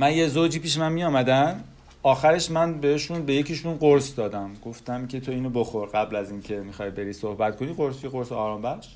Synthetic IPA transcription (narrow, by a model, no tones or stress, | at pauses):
mænjezod͡ʒiːpiːʃemænmijɒːmæd̪æm | ɒːxæɾe̞ʃmænbe̞heʃunbe̞jecʰeʃunɢoɾsd̪ɒːd̪æmɡ̥o̞ft̪æmcʰʲe̞t̪ʰoiːnoboxo̞ɾɡæblæziːncʰe̞mixɒːjbe̞ɾiːsohbæt̪̚kʰoniːɣoɾsjeɣoɾseɒːɾɒːmbæʃ